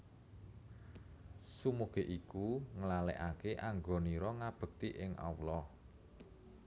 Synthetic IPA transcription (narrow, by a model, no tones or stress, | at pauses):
sumuɡ̥e̤ʔikuŋəlalɛ̰ʔakeʔaŋɡɔniɾɔŋab̥ə̤k̚t̪iʔɪŋʔa̰wlɔ